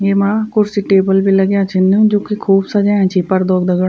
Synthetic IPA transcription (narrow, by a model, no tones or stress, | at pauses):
jeːmaːkʊɾsiʈeːbəlbiːləɡjãːt͡ʃʰɪnd̪eũːd͡ʒõːkikʰuːbsəd͡ʒaːɛ̃ːt͡ʃʰiːpəɾd̪oːɡd̪əɡəɽ